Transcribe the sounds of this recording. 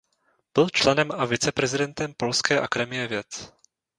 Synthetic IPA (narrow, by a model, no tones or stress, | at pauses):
b̥ɪlt͡ʃlɛnɛmavɪt͡sɛpɾɛzɪdɛnt̪ɛmpo̞lskɛːʔakadɛmɪjɛvjɛt͡s